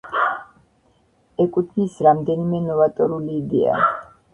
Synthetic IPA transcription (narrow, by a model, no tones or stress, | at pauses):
ɛkʼut̪ʰnisɾamd̪ɛnimɛnɔvat̪ʼɔɾuliːd̪ɛ̰a̰